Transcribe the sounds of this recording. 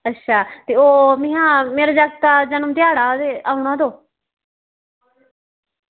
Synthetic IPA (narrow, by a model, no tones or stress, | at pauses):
ətːʃʰaːt̪eːoːmɪ̃ːãːmeːɾaːd͡ʒak̚t̪aːd͡ʒənəmt̪ɪaːɽaːd̪eːaːʊɳ̃ãːd̪oː